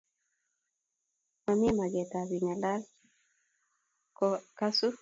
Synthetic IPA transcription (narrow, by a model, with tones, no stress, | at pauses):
ma˨m˦ɛ˦ma˨ɡɛ˨ta˨bi˨ŋa˨la˦l | kɔka˦su˦